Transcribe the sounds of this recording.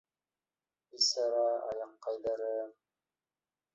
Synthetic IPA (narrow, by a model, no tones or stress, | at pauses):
isɑɾɑɑ̰jɑqːɑjðɑɾɤ